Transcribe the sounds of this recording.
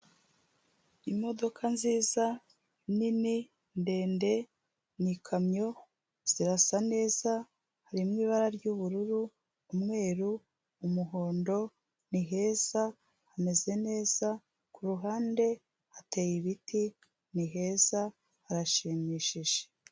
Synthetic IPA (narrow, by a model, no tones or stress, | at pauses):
imo̞do̞kʰanziːza | nini | nde̞ːnde̞ | nikʰamɲo̞ | z̥iɾasane̞ːza | haɾimŋiːβaɾaɾɟuβuɾuɾuː | mŋe̞ːɾu | umuɦo̞ːndo̞ | niɦe̞ːz̥a | hame̞ze̞ne̞ːz̥a | kuɾuɦaːnde̞ | hate̞jiβiti | niɦe̞ːz̥a | haɾaʃiːmiʃiʒ̥e̥